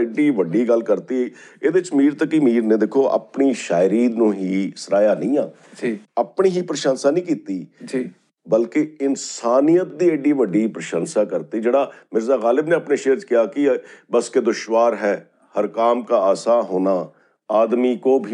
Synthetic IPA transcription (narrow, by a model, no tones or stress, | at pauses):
eɖiːʋəɖiːɡəlkəɾt̪iɦɛeːd̪eɪt͡ʃmiːɾt̪əkimiːɾnẽd̪ekʰoːʔə̰pniːʃaːɪɾiːd̪nũːɦiːsəɾaːjaːnɐĩːaː | d͡ʒiəpɳiɦiːpɾʃãːnsaːnĩːk̬iːt̪id͡ʒi | bəlkeɪnsaːnijət̪̚d̪iːeɖiʋəɖiːpɾəʃə̃nsaːkəɾt̪id͡ʒeːɽaːmɪɾzaːɣaːlɪbneəpneʃeːɾt͡ʃkɪjaːkibəsked̪ʊʃʋaːɾɦɛː | həɾkaːmkaːaːsaːɦoːnaː | aːd̪mikoːbʱi